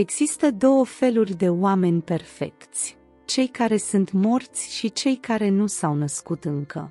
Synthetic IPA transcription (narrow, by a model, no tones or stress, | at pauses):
e̞ɡz̥ist̪əd̪o̞wəfe̞lurʲd̪e̞oame̞nʲpe̞rfe̞̰kt̪sʲ | t͡ʃe̞jkaɾe̞sunt̪mo̞rt̪sʲʃit͡ʃe̞jkaɾe̞nusawnəskut̪ɨŋkə̰